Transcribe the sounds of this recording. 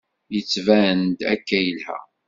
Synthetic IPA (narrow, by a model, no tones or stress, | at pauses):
jət͡sːvæənd̪æ̰kːæjəlhæ̰